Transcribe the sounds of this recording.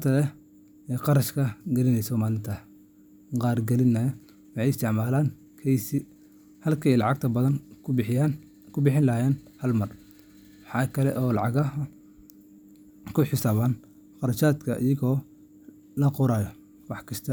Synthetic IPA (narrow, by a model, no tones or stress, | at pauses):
t̪ʰɐlɛ | ɛːqɑɾɐʃkʰɐɡɛlɪnɛjsɔmaːlɪnt̪ʰɐ | qɑːrɡɛlɪnːɐj | wɑħɑjɪst̪ʰɪʕmaːlaːn | kʰɛjsɪ | hɐlkʰɐjlɑʕɑɡ̚t̪ʰɐbɐðɐnjan | kʰʊbɪħɪnlɐhjɛːnhɐlmɐr | wɑħɑːkʰɐlɛʔɔːlɑ̰ʕɑɣɐɐ | kʰʊħɪsaːβaːn | qɑɾɐʃaːd̪kʰɐʔɪ̰jɐɣɔː | lɐqʊɾaːjɔ | wɑħkʰɐst̪ʰɐ